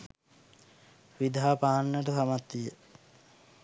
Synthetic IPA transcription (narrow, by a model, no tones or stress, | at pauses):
ʋid̪ʱaaːpaːnːəʈəsamat̪ːijə